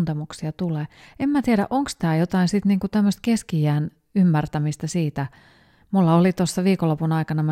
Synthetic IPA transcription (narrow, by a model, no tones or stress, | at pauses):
nt̪emuksiɑt̪uleːemmæt̪ieɾæ̰ʔoŋkst̪æːjot̪ɑinsit̪niːŋkut̪æmːøst̪keskijæːn | ymːært̪æmist̪ɑsiːt̪æ | mulːɑolit̪osːɑʋiːkolːopunɑikɑnɑmæ